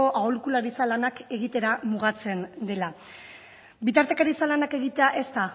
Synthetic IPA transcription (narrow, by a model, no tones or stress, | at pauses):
o̞ʔaolikulaɾit͡salanake̞ɣit̪e̞ɾamuɣat͡se̞nd̪e̞la | bit̪aɾt̪e̞kaɾit͡salanake̞ɣit̪e̞aʔe̞st̪a